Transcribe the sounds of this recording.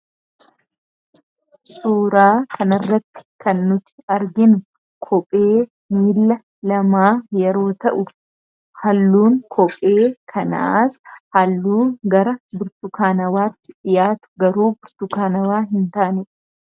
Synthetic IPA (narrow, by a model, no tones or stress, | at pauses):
suːɾaːkʰɐnɐrːɐt̪ːɪ̥kʰɐnːʊt̪ɪ̥ɐɾɡɪnʊ | kʰɔpʼeː | miːlːɐ | lɐmaːjɛɾo̞ːt̪ɐʔʊ | hɐlːuːŋkʰɔpʼeːkʰɐna̰aːshɐlːuːɡɐɾɐbʊɾt̪ʊkaːnɐwaːt̪ːɪᶑɪjaːt̪ʊ̥ɡɐɾuːbʊɾt̪ʊkaːnɐwaːɦɪnt̪aːnɪᶑ